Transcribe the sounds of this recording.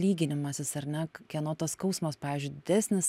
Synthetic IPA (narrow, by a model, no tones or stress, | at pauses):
lʲiːɡʲɪnʲɪmɐsʲɪsɐɾnʲɛkʲɛnoːt̪ɐskɐʊsmɐspɑːʋʲiːzʲd͡ʒʲʊɪd̪ʲɪd̪ʲæːsʲnʲɪs